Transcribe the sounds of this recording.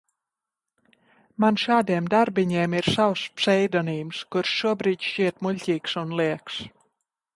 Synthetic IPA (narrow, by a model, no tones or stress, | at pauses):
manʃaːd̪iɛmd̪aɾbiɲiɛmiɾsawspsɛjd̪ɔniːmskuɾʃːuɔbɾiːd̪ʲʃt͡ʃiɛt̪muʎʲcʲiːksunlˠiɛks